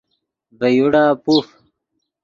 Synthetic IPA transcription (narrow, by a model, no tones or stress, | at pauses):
bɐjuɽaːpuf